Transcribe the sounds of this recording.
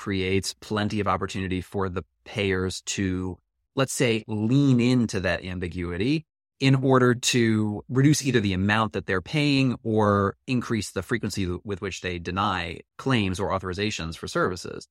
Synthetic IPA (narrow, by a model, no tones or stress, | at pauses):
kʰɹ̥ieɪtspʰl̥ɛ̃ntiʌvɑpə˞tʰʉnɨɾifə˞ðəpʰeɪə˞z̥tʰɨ | lətseɪlĩnɪ̃ntʰʉðɨɾʔæ̰̃mbɨɡjʉɨɾi | ɪ̃nɔɹɾə˞ɾɨɹɨdʉsiðə˞ðiɨmãʊ̃nðɨt̪̚ðə˞pʰeɪɪ̃ŋə˞ɨ̃nkʰɹ̥isðɨfɹikwə̃nsiwɪðwɨt͡ʃðeɪdɨnaɪkʰl̥ẽɪ̃mzə˞ɔθə˞ɨzeɪʃɨ̃nz̥fə˞sɜ˞vɨsɪ̰z̥